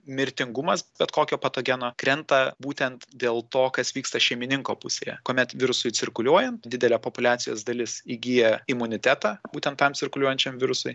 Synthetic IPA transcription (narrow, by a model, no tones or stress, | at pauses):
mʲɪɾʲt̪ʲɪŋɡʊmɐsbʲɛt̪koːkʲoːpɐt̪oːɡʲɛnoːkɾʲɛnt̪ɐbuːt̪ʲɛnt̪d̪ʲeːlˠt̪oːkɐsʋʲiːkst̪ɐʃʲɛɪmʲɪnʲɪŋkoːpʊsʲeːjɛ̰koɔmʲɛt̪ʋʲɪɾʊsʊɪt͡s̪ʲɪrkʊlʲuɔjɛnt̪d̪ʲɪd̪ʲɛlʲɛːpopʊlʲæːt̪t͡s̪ʲɪjo̰ːsd̪ɐlʲɪsiɡʲijɛɪmʊnʲɪt̪ʲæt̪ɑːbuːt̪ʲɛnt̪ːɐmsʲɪrkʊlʲuɔjɛnʲt͡ʃʲɛmʋʲɪɾʊsʊɪ